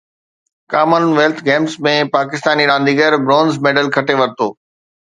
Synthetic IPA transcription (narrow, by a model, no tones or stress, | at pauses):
kaːmənʋeːlt̪ʰɡẽːmsmẽpaːkɪst̪aːniɾãːnd̪iɡəɾbɾõːnzmeːɖəlkʰɐʈeʋɐɾt̪oː